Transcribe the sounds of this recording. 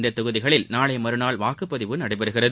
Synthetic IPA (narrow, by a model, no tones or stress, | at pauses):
nd̪ɐt̪ːʊɣɯðɪɣɐɭɪlnaːɭɐɪmɐɾɯnaːɭʋaːkɯpːɐðɪʋɯnɐɽɐɪpɐɾɯɣɪrɐðɯ